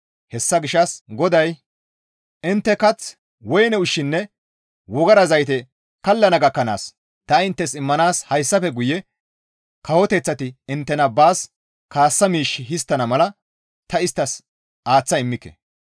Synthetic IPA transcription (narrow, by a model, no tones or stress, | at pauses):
hɛsːɐɡɪʃɐsɡɔd̪ɐj | ʔɪnt̪ːɛkɐt͡s | wɔjnɛʊʃːɪnːɛ | wɔɡɐɾɐzɐjt̪ɛ | kɐlːɐnɐɡɐkːɐna̰ːs | t̪ɐɪnt̪ːɛsɪmːɐnaːshɐjsːɐfɛɡʊjɛ | kɐwɔt̪ɛt͡sːɐt̪ɪɪnt̪ːɛnɐbaːs | kaːsːɐmiːʃːɪɦɪst̪ːɐnɐmɐlɐ | t̪ɐɪst̪ːɐs | ʔaːt͡sːɐɪmːɪkːɛ̥̰